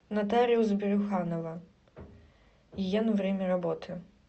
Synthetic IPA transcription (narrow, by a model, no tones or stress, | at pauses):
nat̪aɾʲiuwzʲbʲɪɾʲʊxanɐvɐ | jɛnvɾʲemʲɐɾabɔt̪ʰɨ